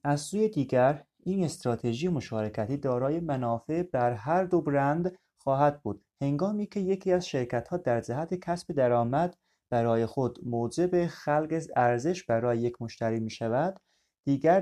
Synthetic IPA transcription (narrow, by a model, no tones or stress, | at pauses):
æzsuːjed̪iːɡæɾ | iːne̞st̪ɾɒːt̪ʰe̞ʒijemo̞ʃɒːɾe̞cʰæt̪ʰiːd̪ɒːɾɒːje̞mænɒːfe̞bæɾɦæɾd̪obɾænd̪ | xɒːɦæd̪̚buːd̪̥he̞ŋɡɒːmiːcʰe̞je̞cʰiːæzʃe̞ɾcʰæt̪hɒːd̪æɾd͡ʒæɦæt̪ʰe̞cʰæsbe̞d̪æɾɒːmæd̪ | b̥æɾɒːje̞xo̞d̪moːd͡ʒe̞be̞xælɡezæɾze̞ʃbæɾɒːjeje̞kʰmo̞ʃt̪æɾiːmiːʃævæd̪̥ː | iːɡæɾ